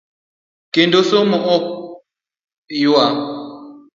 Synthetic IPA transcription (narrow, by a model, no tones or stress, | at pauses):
kendosomɔʔɔk̚ | jwa